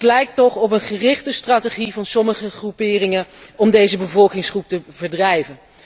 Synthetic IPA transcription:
tlɛjk̚tɔχɔp̬ənχərɪχtəstraːteχivɑnsɔməχəχrupɪːrɪŋəɔmdejzəbəvɔlˠkɪŋsχrup̚təvəɹdrɛjvən

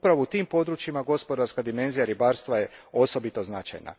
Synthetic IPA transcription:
pɾaʋout̪iːmpo̞d̪ɾut͡ʃjimaɡo̞spo̞d̪aɾskad̪ime̞nzijaɾibaːɾst̪ʋaje̞o̞so̞bit̪o̞znat͡ʃa̰jna̰

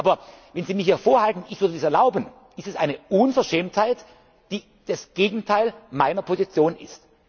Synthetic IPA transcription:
ʔaːbɐvɛnziːmɪçhiːɐfoːɐhaltn̩ɪçv̥ʏɐdədiːsɛɐlaʊbən | ʔɪstɛsʔaɪnəʔunfɛɐʃɛːmthaɪt | d̥iː | d̥asɡ̥eːɡŋ̩tʰaɪlmaɪnɐpʰozit͡sjoːnɪ̰st

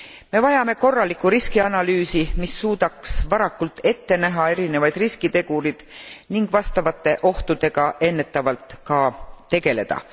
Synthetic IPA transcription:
me̞vɑjɑme̞ko̞rːɑlikːˑuɾiskiɑnɑlyːsimisːuːd̪̥ɑksvɑɾɑkːult̪ːˑe̞t̪ːe̞næɦɑe̞ɾine̞vɑjd̪̥riskit̪e̞ɡ̥uɾid̪̥niŋɡ̥vɑst̪ɑvɑt̪ːe̞ʔo̞ht̪ud̪̥e̞ɡ̥ɑʔe̞nːe̞t̪ːˑɑvɑlt̪kɑt̪e̞ɡ̥e̞le̞d̪̥ɑ̰

